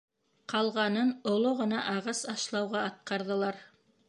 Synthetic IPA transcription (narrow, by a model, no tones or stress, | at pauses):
qʰɑlˠʁɑnɤnŏlˠoʁɤ̆nɑʔɑʁɑsɑʃlˠɑwʁɑɑt̪̚qɑɾðɤ̆lˠɑɾ